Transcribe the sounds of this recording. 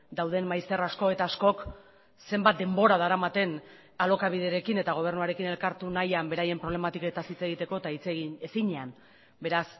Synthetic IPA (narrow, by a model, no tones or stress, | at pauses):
d̪awð̞e̞mmajst̪e̞rasko̞e̞t̪aːsko̞k | se̞mbat̪d̪e̞mbo̞ɾað̞aɾamat̪e̞n | alo̞kaβ̞iðeɾe̞kine̞t̪aɣ̞o̞β̞e̞rnuaɾe̞kine̞lkaɾt̪unajambe̞ɾaje̞mpɾole̞mat̪iket̪asit͡se̞ɣit̪e̞ko̞et̪ait͡seɣiesiɲe̞an | be̞ɾas